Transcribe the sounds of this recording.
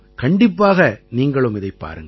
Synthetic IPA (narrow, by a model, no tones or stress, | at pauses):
kɐɳɖɪpːaːɣɐniːŋɡɐɭɯmɪðɐɪpːa̰ːɾɯŋɡ